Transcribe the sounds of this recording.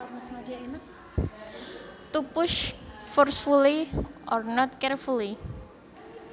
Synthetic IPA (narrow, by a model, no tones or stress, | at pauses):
smadiain | t̪upʊʃfɔrsfuliʔɔrnɔt̪̚kɛrfuli